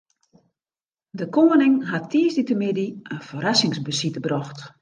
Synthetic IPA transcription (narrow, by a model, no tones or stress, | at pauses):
dəkoːənɪŋɦatʰːiːəsditəmɪdiənfoɾasɪŋsbəsitəbrɔxt